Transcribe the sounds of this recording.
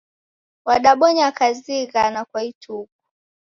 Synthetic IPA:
waɗaɓɔɲakaziɣanakwaitʰuku̥

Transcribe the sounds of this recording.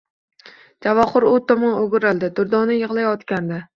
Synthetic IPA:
d͡ʒavɒχʊɾot̪ʰɒmɒnoɡʲʊɾalˠd̪ɪd̪ʊɾd̪ɒnɪjɨʁlˠajɒt̪kʲand̪a

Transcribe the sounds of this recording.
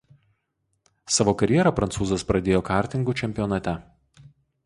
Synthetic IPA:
sɑʋoːkɐɾʲjɛɾɐˑpɾɐnt̪uːzɐspɾɐd̪ʲeːjoːkɑˑɾʲt̪ʲɪŋɡut͡ʃʲɛmʲpʲɪjɔnɐt̪ʲɛ

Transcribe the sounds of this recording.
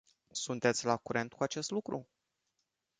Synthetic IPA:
sunt̪e̞t̪sʲlakuɾe̞nt̪kuat͡ʃe̞st̪lukɾu

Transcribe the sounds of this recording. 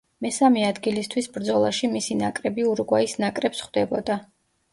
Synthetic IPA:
mɛsamiad̪ɡilist̪ʰwisbɾd̪zɔlˠaʃimisinakʼɾɛbiuɾɡwaisnakʼɾɛpsχwd̪ɛbɔd̪a

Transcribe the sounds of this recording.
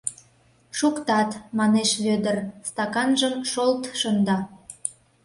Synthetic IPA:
ʃukt̪ɑt̪mɑneʃβød̪ərst̪ɑkɑnʒəmʃolt̪ʃənd̪ɑ

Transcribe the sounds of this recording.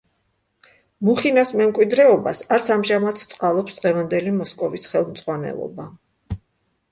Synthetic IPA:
muχinasmɛmkʼwid̪ɾɛɔbasaɾt̪sʰamʒamat̪sʰt̪sʼqʼalˠɔpsd̪ʁɛvand̪ɛlimɔskʼɔvisχɛlˠmt̪sʼʁwanɛ̰lˠɔ̰ba

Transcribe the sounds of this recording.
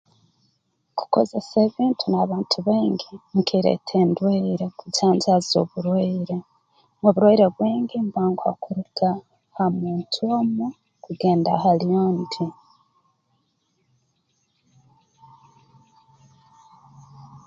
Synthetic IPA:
ku̥ko̞̰ze̞seːβiːntʰunaβaːntʰuβeːŋɡiŋkʰiɾḛtʰeːndweiɾe̞kucaːɲzazo̞̰βuɾweiɾe | moβuɾwoiɾeβwiːŋɡimbaːŋɡwa̰kuɾutʰa | hamuːntʰuomu | kuɡe̞ːnda̰ɦalijoːndi

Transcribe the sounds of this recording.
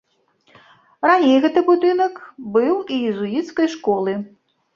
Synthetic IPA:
ranʲejɣɛt̪ɨbud̪ɨnɐkbɨwijizujit̪skɐjʂkɔlˠɨ

